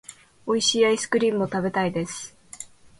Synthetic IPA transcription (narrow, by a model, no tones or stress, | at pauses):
o̞iɕiaisɨ̥kɯ̟ɾʲĩːmɯo̞t̪abe̞t̪aid̪e̞sɨ̥